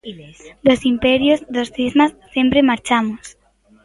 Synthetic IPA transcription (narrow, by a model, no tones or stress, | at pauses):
d̪osimpɛɾjozðosθizmasːempɾemaɾt͡ʃamʊs